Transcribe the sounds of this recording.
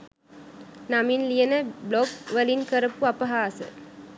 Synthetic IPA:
naminlijənəbloɡʋəlinkəɾəpuɐpɐɦaːsə̰

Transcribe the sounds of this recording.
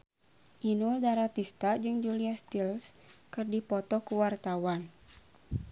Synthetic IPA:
ʔinuldaɾat̪ist̪ad͡ʒɨŋd͡ʒuliast̪ilskɨrdipɔt̪ɔkuwart̪awan

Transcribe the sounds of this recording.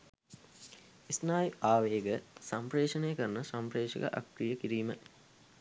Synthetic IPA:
isnaːjaːʋeːɡəsampreːʂɐnejəkəɾnəsampreːʂə̰ɡə̰ʔa̰kɾijəkiɾiːmə

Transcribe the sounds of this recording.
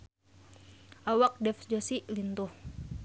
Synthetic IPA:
ʔawak̚dɛfd͡ʒosilint̪uh

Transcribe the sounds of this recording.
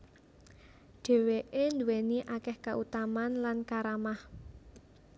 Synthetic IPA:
ɖ̥ɛ̤weʔend̪uweniʔakɛhkaʔut̪amanlankaɾamah

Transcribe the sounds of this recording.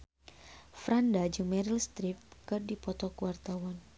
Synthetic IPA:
fɾandad͡ʒɨŋmɛɾilst̪ɾip̚kɨrdipɔt̪ɔkuwart̪awan

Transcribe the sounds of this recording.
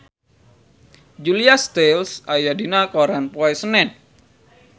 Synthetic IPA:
d͡ʒuliast̪elsajadinakoɾanpuajsənɛn

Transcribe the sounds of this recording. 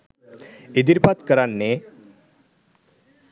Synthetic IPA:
id̪iɾpat̪kəɾanːe

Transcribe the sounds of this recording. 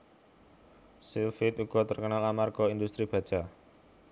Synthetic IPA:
silfit̪uɡ̥ɔ̤t̪ərkənalamarɡ̥ɔind̪ust̪ɾib̥ä̤̥d͡ʒ̥a

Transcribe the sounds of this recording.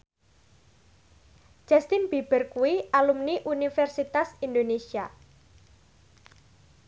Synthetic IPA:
d͡ʒ̥ast̪inb̥ib̥ə̤rkuwiʔalumniʔunifɛrsit̪asind̪onesia

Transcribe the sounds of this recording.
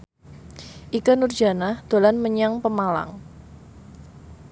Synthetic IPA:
ʔikanurd͡ʒa̤nahd̪̥o̤lanməɲaŋpəmala̰ŋ

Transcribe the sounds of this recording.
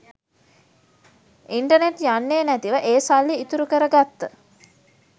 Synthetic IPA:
iɳʈəneʈjanːeːnæt̪iʋəʔeːsalːiːt̪uɾukəɾəɡat̪ːə

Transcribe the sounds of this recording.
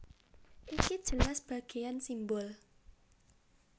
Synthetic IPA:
ʔikid̥ʒ̥ə̤lasb̥a̤ɡ̥e̤jansimbɔl

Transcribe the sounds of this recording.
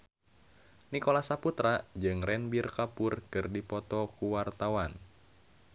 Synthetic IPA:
nikɔlasaput̪ɾad͡ʒɨŋrɛnbirkapurkɨrdipɔt̪ɔkuwart̪awan

